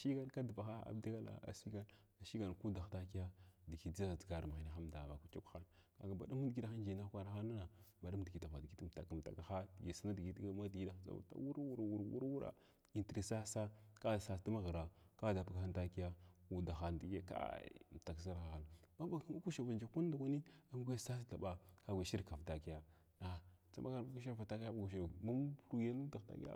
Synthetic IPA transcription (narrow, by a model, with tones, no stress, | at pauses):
ʃi˦ɡa˦nka˦dba˨xa˦a̰˨bda˦ɡa˦la̰˨a̰˨si˦ɡa˦n | a˨ʃi˦ɡa˨nku˦da˨xta˦ki˦ja˦di˨ki˨d͡za˦˨d͡zɡa˨ɾma˨xi˨na˨xa˦m˨da˨ba˨ku˦t͡ʃa˦kʷxa˦lka̰˨ka˨ba̰˨du˦m˦dɡi˦da˦xa˦d͡ʒi˨na˦kʷa˦ɾa˦xa˦na˦na˨ba˨da˦m˨di˨ɡi˨ta˨xa˨di˦tm˨ta˨km˨ta̰˨ka˨xa˦dɡe˨sa˦na˦dɡi˦tɡa˦ma˦dɡi˦da˨xt͡sa̰˨wṵ˦ta̰˦wu˦ɾwu˦ɾa˨wu˦ɾwṵ˦ɾwu˦ɾa̰˨ | i˨ntɾi˨sa˦sa˦ka˦˨sa˦sta˦ma˦ɣə˨ɾa˨ka˦˨da˨pa˦ɡxa˦nta˦ki˦ja˦u˨da˨xa˨di˨ɡe˦ka̰˦˨m˨ta˨ks̬a˦ɾa˨xa˨lba˦ba˦ka˦u˦ku˦ʃa˨va˨d͡ʒa˨˦ku˦n˦da˨kʷa˦ni˦a˦m˦ɡʷe˦sa˦s̬ɬa̰˨ba˨ka˦ɡʷe˨ʃi˦ɾka˨fta˨ki˦ja˦ | a˨t͡sa̰˦˨ma˦ka˦ɾba˦ka˦ʃ̬i˦ɾfa˨ta˦kja˦ba˦ɡu˨ʃa˨ma˦m˦u˨˦ɾu˦ɡa˦nu˦da˨xta̰˦kḭ˦ja̰˦